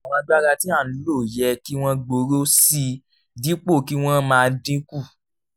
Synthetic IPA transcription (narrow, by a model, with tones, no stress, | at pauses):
a˨w̃ɔ̃˨˧˦da˦ɡa˧tĩ˦a˦˨ñ̩˨˦lo˦˨jɛ˧ki˦w̃ɔ̃˦ɡ͡bo˧ɾo˦si˧ | di˦k͡po˦˨ki˦w̃ɔ̃˦mãː˨˧dĩ˦ku˦˨